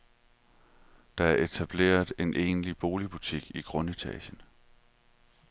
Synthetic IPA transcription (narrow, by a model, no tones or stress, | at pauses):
d̥ɑ̈æɐʔe̝t͡sʰæb̥le̝̰ːɐðˠe̝nʔe̝̰ːnlib̥o̝ːlib̥ut͡sʰiɡ̥iɡ̥ʁɔ̽nit͡sʰɛ̰ɕən